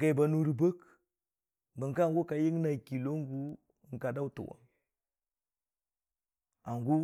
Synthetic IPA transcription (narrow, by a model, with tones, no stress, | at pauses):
a˨i˨ba˨nu˦ɾi˨bə˦k | bə˨ŋka˦˨ŋɡu˦ka˨ji˦ŋna˨ki˨lo˦ŋ˦ɡu˦˨ | ŋ̩˨ka˨da˦wu˦tṵ˨wa̰˨ŋ | a˨ŋɡu˦